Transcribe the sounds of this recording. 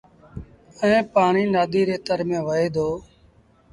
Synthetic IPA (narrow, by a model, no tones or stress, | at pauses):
əẽːpaːɳiːnaːd̪iːɾeːt̪əɾmẽːʋəeːd̪ʱoː